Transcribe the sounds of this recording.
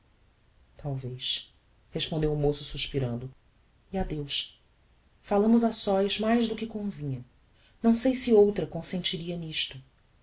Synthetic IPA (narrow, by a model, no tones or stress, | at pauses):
t̪ʰawvejʃ | heʃpõnd̪ewʊmosʊsuʃpiɾɐ̃nd̪ʊ | iad̪ewʃ | falɐ̃mʊzasɔjzmajʒd̪ʊkɪkõvĩɲɐ | nɐ̃w̃sejsɪowt̪ɾɐkõsẽnt͡ʃiɾiɐniʃt̪ʊ